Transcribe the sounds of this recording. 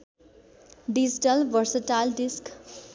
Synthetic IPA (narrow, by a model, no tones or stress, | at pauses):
ɖid͡ʒiʈəlʋʌɾsəʈalɖisk